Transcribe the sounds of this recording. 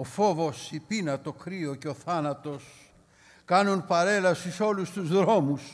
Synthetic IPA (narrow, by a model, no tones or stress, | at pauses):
ofo̞vo̞sipinɐt̪o̞kɾioceoθɐnɐt̪o̞s | kɐnunpɐɾe̞lɐsiso̞lust̪uzðɾo̞mus